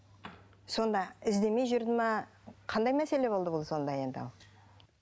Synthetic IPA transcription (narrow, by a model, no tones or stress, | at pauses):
so̞nd̪ɑɪzd̪e̞me̞jʒʏɾd̪ɪmɑ | qʰɑnd̪ɑjmæse̞le̞bolˠd̪əbolˠd̪əso̞nd̪ɑje̞nd̪ɑ̰lˠ